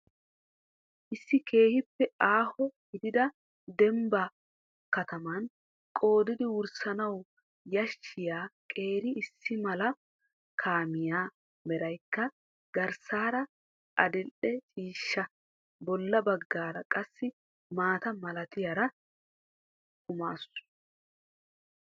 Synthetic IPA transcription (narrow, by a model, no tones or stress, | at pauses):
ʔɪsːɪkʰe̞ːhɪpːɛaːhɔɡɪd̪ɪd̪ɐ | d̪ɛmbɐ | kɐt̪ɐmɐn | kʼo̞ːd̪ɪd̪ɪwʊɾsɐnɐw | jɐʃːɪjaːkʼe̞ːɾɪɪsːɪmɐlɐ | kʰaːmɪjaː | mɛɾɐjkːɐ | ɡɐɾsaːɾɐ | ʔɐd̪ɪlʔɛt͡ʃʼiːʃːɐ | bɔlːɐbɐɡːaːɾɐkʼɐsːɪ | maːt̪ɐmɐlɐt̪ɪjaɾɐ | kʊma̰ːsʊ̥